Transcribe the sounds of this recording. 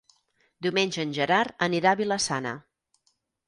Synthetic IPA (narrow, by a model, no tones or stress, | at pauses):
d̪iumenʲʒəːnʲʒəɾaɾəniɾaβiləsanə̰